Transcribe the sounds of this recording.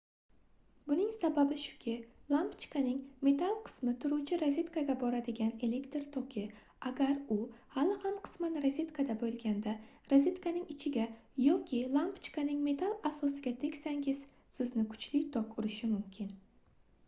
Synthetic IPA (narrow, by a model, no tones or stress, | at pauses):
bʊnɪŋsababɪʃʊ̥kʲʰɪlˠampt͡ʃkanɪŋme̞t̪ʰalˠqʰɨ̥smɪt̪ʰʊɾuwt͡ʃʰɪɾazʲet̪kʰaɡʲabɒɾad̪ɪɡʲane̞le̞kt̪ɾt̪ʰɒkʲʰɪ | aɡʲaɾʊhalɪhamqʰɨ̥smanɾazʲet̪kʰad̪abolˠɡʲand̪a | ɾazʲet̪kʰanɪŋɪt͡ʃʰɪɡʲajɒkʲʰɪlˠampt͡ʃkanɪŋme̞t̪ʰalˠasɒsɪɡʲat̪ʰe̞kʲsaŋɡɪz̥ | sɪznɪkʰʊ̥t͡ʃlɪt̪ʰɒkʊɾɪʃɪmʊmkʲʰɪn